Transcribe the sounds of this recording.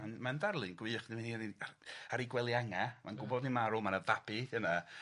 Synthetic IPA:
manmandarlˠɨnɡwɨːχdiminniaaɾiɡwɛlˠjaŋamanɡʊbɔdnimaɾʊmanəvabɨəna

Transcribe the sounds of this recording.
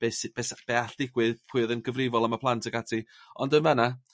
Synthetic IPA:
b̥ejsɪb̥ɛsb̥ɛaɬd̥ɪɡwɪðpʰʊɨðənɡəvrɪvɔlˠəmapʰlˠantʰəɡatʰiɔndənvəna

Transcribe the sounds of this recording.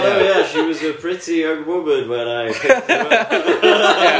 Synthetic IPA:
oʊjæʃiwʌzəpʰɹ̥ɪtiowʊmə̃nwə̃naɪ

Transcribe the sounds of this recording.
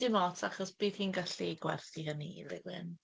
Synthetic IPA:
d̥ɪmɔtʰaχɔsb̥iːðhiːnɡaɬiɡwɛ̰rθiɦənilɪɡwɪ̰n

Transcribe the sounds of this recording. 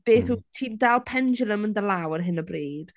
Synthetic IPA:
b̥eːθutʰiːndalˠpʰɛnd͡ʒəlˠəməndəlˠawərɦɪnəbreːd̥

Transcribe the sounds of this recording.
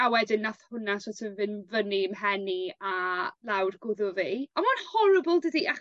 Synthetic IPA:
awɛdɪnːaθhʊnasotʰɪnvɨnvəniəmɦɛnialˠawrɡʊðʊviamanhɔɾəbəlˠdədiʔa

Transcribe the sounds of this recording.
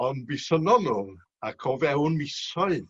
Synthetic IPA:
ɔndbɪsənɔnʊŋ | akʰɔvɛwnmɪsɔɨ

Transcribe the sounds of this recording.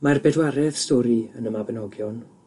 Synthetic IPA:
marbɛdwaɾɛðstɔɾiənəmabənɔɡjɔn

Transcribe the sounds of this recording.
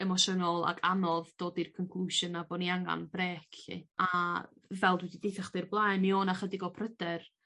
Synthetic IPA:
ɛmɔʃɔnɔlˠa̰kʰanɔðd̥oːdirkʰɔnŋkʰl̥ˠuʃənabɔniaŋa̰nbreːkḭavɛlˠdwɛdidejθaχd̥ɛrblˠaːjnmioːnaχədɪɡɔpʰrədɛr

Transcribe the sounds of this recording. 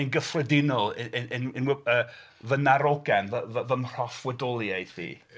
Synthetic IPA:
ənɡəfrədɪnɔlˠɪɪɪnɪnwəː | vənaɾɔɡɛnvəvəvəmr̥ɔfwɛdɔlˠiejdðḭː

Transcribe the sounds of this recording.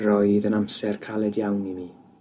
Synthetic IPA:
rɔjðənamsɛrkʰalˠɛdjawnimiː

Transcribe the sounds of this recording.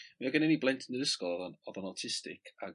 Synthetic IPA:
maaɡənɛniblˠɛntʰnəðəskɔlˠɔðɔnɔðɔnɔtʰɪstɪ̰kʰa

